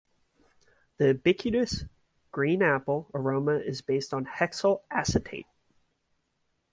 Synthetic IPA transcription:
ðiɨbɪkʰjɨɾɨs | ɡ̥ɹĩnæpl̩ˠə˞õʊ̃məʔɪzbeɪstn̩hɛksl̩ˠæsɨtʰeɪt̚

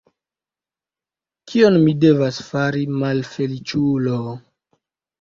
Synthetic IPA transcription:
kʰionmide̞vasfaɾimalfe̞lit͡ʃulo

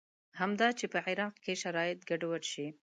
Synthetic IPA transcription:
hamd̪ɑt͡ʃepəʕɪɾɑq̚keʃaɾɑjɪt̪ɡaɖwəɽʃi

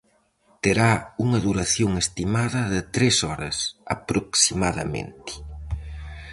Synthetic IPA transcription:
t̪eɾauŋɐðuɾaθjoŋest̪imaðɐðɪt̪ɾesɔɾɐsa̰pɾoksimaðɐ̰mḛnt̪ɪ̥

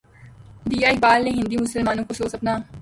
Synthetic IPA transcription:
ɖ̪iːaːibaːlnẽɦɪ̃nd̪imʊsəlmaːnõkosoːsɐpnaː

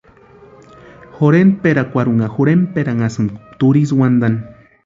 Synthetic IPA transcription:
xoɾenpeɾakʷaɾuŋaxoɾempeɾaŋasɨmkt̪uɾis̬wand̪an

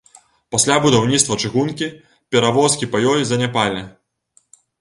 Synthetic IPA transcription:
pasʲlʲabud̪awnʲit̪st̪vɐt͡ʂɨɣunkʲi | pʲɛɾavɔskʲipajɔjzɐnʲapalʲi

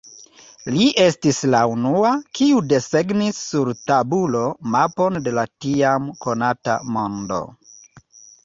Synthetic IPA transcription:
liʔe̞stislaunuakiude̞se̞ɡnisːuɾtabulo̞mapo̞nde̞latiamko̞nata̰mo̞ndo̞̰

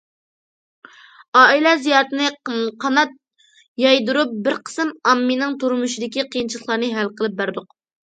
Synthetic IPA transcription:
ɑːilɛzijɑːɾɨt̪ɨnɨqʰɑnɑt̪̚ | jɑjd̪uɾup̚bɪɾqʰə̥sɨmɑmːinɪŋt̪ʰuɾmuʃid̪ɪkʲiqʰijint͡ʃʰilˠəχlˠɑɾnɨɦælqʰəlˠɨp̚bæɾd̪ʊq

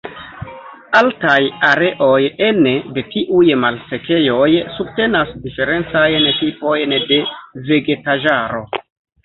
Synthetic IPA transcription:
altajaɾe̞ʔo̞je̞nede̞tiʔujmalse̞ke̞jo̞jsub̚te̞nasdife̞ɾe̞nt͡sajntipo̞jnde̞ve̞ɡe̞taʒaɾo̞

